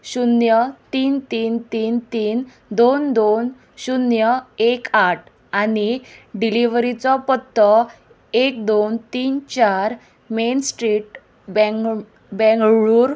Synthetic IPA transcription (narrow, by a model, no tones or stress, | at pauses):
ɕunjət̪iːnt̪iːnt̪iːnt̪iːn | d̪ond̪on | ɕunjəekaʈ̚ʰ | aniɖiliʋɾit͡sɔpət̪ːɔ | ek̚d̪ont̪iːnt͡ɕaɾ | mensʈɾiːʈ | b | bɛ̃ŋɡɭuːɾ